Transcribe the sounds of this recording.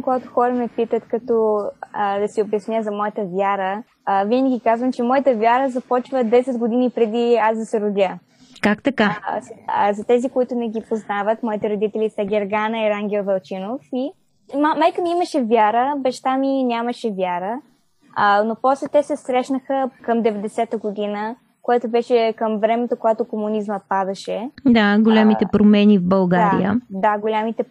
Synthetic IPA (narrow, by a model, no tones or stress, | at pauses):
koɡat̪ʊ̥xɔɾəmɛpit̪ət̪kɐt̪ɔ | d̪ɐsiobjɐsnʲjəzɐmɔjət̪əvʲjaɾə | vinɡəɡʲikazvəmt͡ʃɛmɔjət̪əvʲjaɾəzɐpɔt͡ʃvəd̪ɛsɛd̪ɡod̪inipɾɛd̪iasd̪ɐsɛɾʊd̪ʲjə | kakt̪ɐkaszɐt̪ɛzikoit̪ʊnɛɡʲipoznavət̪mɔit̪ɛɾod̪it̪ɛlʲisɐɡʲɛɾɡanəiɾaŋɡʲɛlˠvɐlˠt͡ʃinofi | mamajkəmiimɐʃɛvʲjaɾəbɛʃt̪aminʲaməʃɛvʲjaɾə | ənopɔslɛt̪ɛsɛsɾɛʃnəxəkəmd̪ɛvɛd̪ɛsɛt̪əɡod̪inə | koɛt̪obɛʃɛkəmvɾɛmɛt̪okoɡat̪okomunizmət̪̚pad̪ɐʃɛd̪aɡolʲamit̪ɛpɾomɛnivbɐlˠɡaɾḭə̰d̪aɡolʲamit̪ɛ